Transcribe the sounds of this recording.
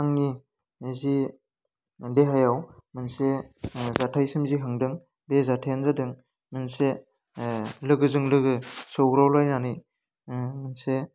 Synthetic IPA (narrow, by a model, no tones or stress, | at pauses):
aŋni | zi | deɦajawmɯnsezatʰajsɯmziɦaŋdɯŋ | bezatʰajanzadɯŋ | mɯnse | lɯɡɯzɯŋlɯɡɯsowɡɾawlajnanɯj | mɯnse